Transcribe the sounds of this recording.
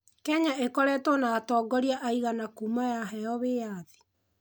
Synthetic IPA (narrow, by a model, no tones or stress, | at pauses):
kɛɲaʔekɔɾɛtɔnaːtɔɡɔɾiaʔaiɣanakumajaɦɛjɔβeːjaði̥